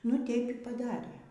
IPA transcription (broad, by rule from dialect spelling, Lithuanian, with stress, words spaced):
nʊ ˈtʲɛɪp iː pɐˈdɑːrʲeː